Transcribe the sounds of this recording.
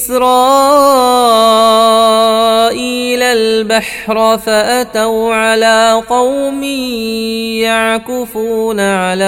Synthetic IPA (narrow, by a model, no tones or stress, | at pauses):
sɾɑː | ʔiːlalbaħ | ɾfaʔat̪awʕalaːqɑwmi | jaʕkɪfuːnaʕalaː